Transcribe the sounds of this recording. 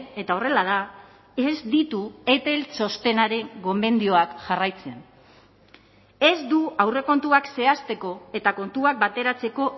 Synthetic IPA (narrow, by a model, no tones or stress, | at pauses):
e̞t̪ao̞re̞lað̞a | ezd̪it̪ue̞t̪e̞lt͡so̞st̪e̞naɾe̞ŋɡo̞me̞nd̪io̞akʝarajt͡se̞n | e̞zd̪uawre̞ko̞nt̪uakse̞ast̪e̞ko̞e̞t̪ako̞nt̪uak̚bat̪e̞ɾat͡se̞ko̞